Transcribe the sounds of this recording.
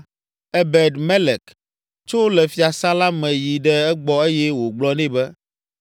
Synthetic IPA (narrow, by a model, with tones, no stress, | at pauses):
ɛ˦bɛ˨ɖmɛ˦lɛ˨k | t͡ʃo˦lɛ˨fi˨a˨sã˦la˦mɛ̃˨ji˨ɖɛ˦ɛ˦ɡ͡bɔ˦e˦jɛ˦wo˨ɡ͡blɔ˨˦nɛ̃˦bɛ˦